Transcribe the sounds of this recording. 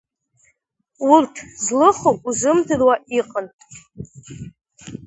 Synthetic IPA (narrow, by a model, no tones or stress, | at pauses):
urtʰzlɨχokʼuzɨmdʰɨrwaʔiqʼəntʼ